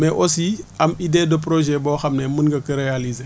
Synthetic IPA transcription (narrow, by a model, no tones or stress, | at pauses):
mɛʔosiamidedop̬ɾoʒɛbɔːxamnɛmunɡɐkəɾealize